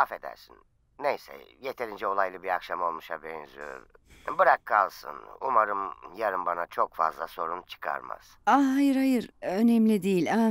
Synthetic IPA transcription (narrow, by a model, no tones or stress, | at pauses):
afe̞d̪æ̰ɾsinː | ejsɛ̰jet̪ʰe̞ɾind͡ʒɛo̞lˠajlˠɯbiɾakʃamo̞lˠmuʃabɛnzyø̰ɾ | bɯɾakʰːalˠsɯ̰nṵmaɾɯmjaɾɯmbanat͡ʃʰo̞kfa̰zlˠaso̞ɾunt͡ʃʰɯ̥kʰa̰ɾma̰z̥aɦajɯɾhajɯɾønɛmlʲid̪ijilʲa